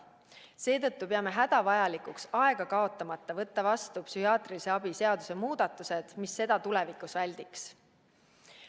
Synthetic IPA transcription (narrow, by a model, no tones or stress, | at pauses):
se̞ːt̪ɤt̪ːupe̞ɑme̞ɦæd̪̥ɑvɑjɑlikuksɑe̞ɡ̥ɑkɑo̞t̪ːˑɑmɑt̪ːˑɑvɤt̪ːɑvɑst̪upsyhiɑːt̪ˑriliseɑb̥ise̞ɑd̪̥usemuːd̪̥ɑt̪ˑːused̪̥misːe̞d̪̥ɑt̪ule̞vikˑusvælʲd̪̥iks